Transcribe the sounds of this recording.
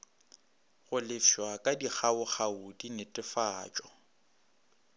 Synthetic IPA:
ɣʊlɪfwakʼadik͡xaʊχaʊdinɪtʼɪfaːt͡ʃʼɔ

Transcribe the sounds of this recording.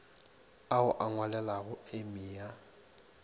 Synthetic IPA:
aʊʔaŋwalɛlaɣʊemiːja

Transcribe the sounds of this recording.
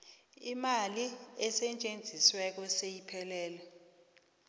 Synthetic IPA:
imaliɛsɛt͡ʃʼend͡zʱiswɛk̬ɔsejipʰɛlɛːlɔ

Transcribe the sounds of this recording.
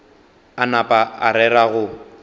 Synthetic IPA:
anapʼaa̰ɾɛɾaɣʊ

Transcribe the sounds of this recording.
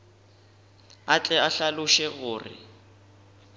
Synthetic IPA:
at͡ɬʼɛaɬalʊʃɛɣʊːrɪ̰

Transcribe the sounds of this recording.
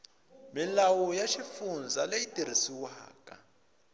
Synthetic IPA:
milawujaʃifund͡zaleitiɾ̤isiwaːkʼa̰

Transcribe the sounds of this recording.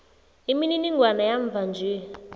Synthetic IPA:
imininiŋɡwanajaɱvʱand͡ʒʱiː

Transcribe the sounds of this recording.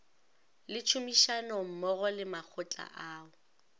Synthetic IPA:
lɪt͡ʃʰumiʃanɔm̩mɔɣɔlɪmak͡xʰʊt͡ɬʼa̰ʔaːʊ

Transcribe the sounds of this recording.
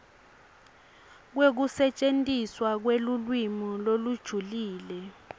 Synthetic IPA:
k̬wek̬usɛt͡ʃʼentʼiswak̬welulwimɔlolud̥ʒ̥ʱuliːlɛ

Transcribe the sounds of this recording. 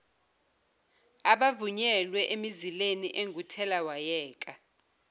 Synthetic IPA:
aɓavuɲɛlwɛʔemizileniʔeŋʱutʰɛlawajɛːkʼa

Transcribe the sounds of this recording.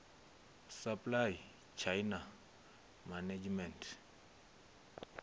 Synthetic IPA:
saplaj | t͡ʃʰajna | manad͡ʒmɛntʰ

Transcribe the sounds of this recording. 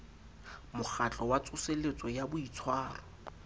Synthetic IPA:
mʊχat͡ɬʼɔwat͡sʰʼʊselet͡sʼɔjabʊit͡sʰwaːrɔ

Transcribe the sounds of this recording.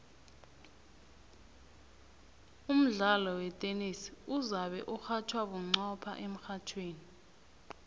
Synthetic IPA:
um̩ɮalɔwɛtʼenisuzaɓɛ̰ʔuxatʰwaɓuŋ͡ǀɔpʰa̰ʔem̩xatʰweːni

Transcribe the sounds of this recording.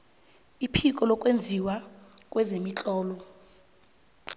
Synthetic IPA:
ipʰikʼɔlɔkʼwend͡zʱiwakʼwɛzemit͡ɬʼɔːlɔ

